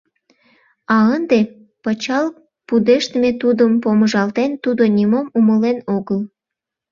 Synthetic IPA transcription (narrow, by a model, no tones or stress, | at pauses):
ɑənd̪e | pət͡ɕɑl | pud̪eʃt̪met̪ud̪əmpoməʒɑlt̪ent̪ud̪onʲimomuməlenoɣəl